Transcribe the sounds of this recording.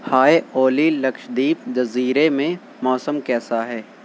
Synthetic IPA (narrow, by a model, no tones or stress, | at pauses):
haːeʔoːlilɐkʃd̪iːp̚d͡ʒɐziːɾemẽ | mɔːsəmkɛːsaɦɛː